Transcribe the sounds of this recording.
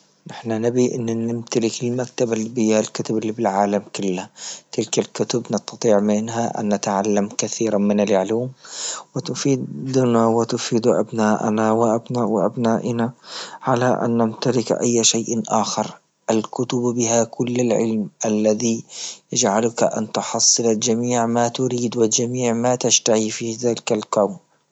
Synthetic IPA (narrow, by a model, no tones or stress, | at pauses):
nɪħnanɪbiʔɪnːnɪmt̪alɪkɪlmak̚t̪abalbɪalkʊt̪ʊbɪlːibɪlʕaːlamkʊlːat̪ɪlkalkʊt̪ʊbnɑst̪ːɑt̪ˤiːʕmɪnɦaʔa̰nːat̪aʕalːamkaθiːɾamɪnalʕluːmwɪt̪ʊfiːd̪d̪nawɪt̪ʊfiːd̪ʔa̰bnaːʔnawɪʔabnawɪʔabnaːʔɪnaʕalaʔa̰nːamt̪alɪkʔa̰jːaʃajʔnʔaːxɪɾˤ | ʔalkʊt̪ʊbbɪɦakʊlːalʕɪ̰lmʔalːaðijad͡ʒʕalʊkaʔa̰nt̪ʊħɑsˤːɨlald͡ʒamiːʕmat̪ʊɾiːd̪wɪld͡ʒamiːʕmat̪aʃt̪ahifiːhðaːlɪkalkawn